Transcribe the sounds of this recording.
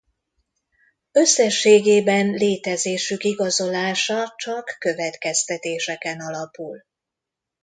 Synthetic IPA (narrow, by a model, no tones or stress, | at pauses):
ø̞sːɛʃːeːɡeːbɛnleːt̪ɛzeːʃykiɡɒzo̞laːʃɒt͡ʃɒkːø̞vɛt̪kɛst̪ɛt̪eːʃɛkɛnɒlɒpul